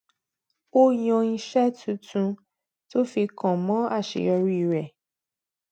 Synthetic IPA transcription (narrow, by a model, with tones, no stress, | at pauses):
o˦jɔ̃˧i˧ʃɛ˦tʰũ˨˦tʰũ˧ | to˦fi˧kã˨mɔ̃˦a˦˨ʃḛ˨jɔ˧ɾi˦˨ɾɛ˨